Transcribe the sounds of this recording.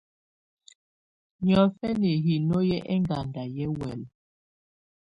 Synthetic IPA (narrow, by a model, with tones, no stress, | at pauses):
ɲɔ˨fɛ˦ne˨ɦi˨no˦jɛ˦ʔɛ˦ŋɡa˨nda˨jɛ˦wɛ˨l